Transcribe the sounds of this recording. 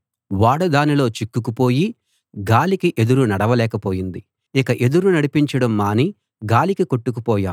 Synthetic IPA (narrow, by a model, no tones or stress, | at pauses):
ʋaːɽud̪aːnilo̞ːt͡ʃikːukupo̞ːji | ɡaːlikiʔe̞d̪uɾunɐɽɐʋɐlɛːkɐpo̞ːjind̪i | ikɐʔe̞d̪uɾunɐɽipiɲt͡ʃɐɽɐmːaːni | ɡaːlikikoʈːuk̬upɔːja̰ːm